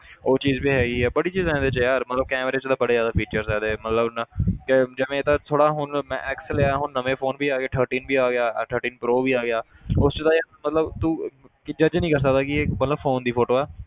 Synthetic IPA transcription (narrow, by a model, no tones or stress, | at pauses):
oːt͡ʃiːzbiːɦɛːɡiːɦɛːbəɽiːt͡ʃiːzɛ̃ːnd̪eːt͡ʃːjaːɾmət̪ləb̚kɛːmɾeːt͡ʃt̪ãːbəɽeːzjaːd̪aːpʰiːt͡ʃəɾsɛːd̪emət̪ləbnəked͡ʒɪʋẽːt̪ãːt̪ʰoːɽaːɦʊnmɛ̰̃ːʔɛːksleaːaːɦʊnːəʋẽːfʰoːnbʱiːaːɡɪaːʈ̪ʰəɾʈĩːnbiːaːɡɪjaːʈ̪ʰəɾʈiːnpɾoːbiːaːɡɪjaː | ʊst͡ʃt̪ãːjmət̪ləbt̪ũː | ɪd͡ʒəd͡ʒnəĩːkəɾs̬ək̚d̪aːkɪemət̪ləbfʰoːnd̪iːpʰoːʈoːɛː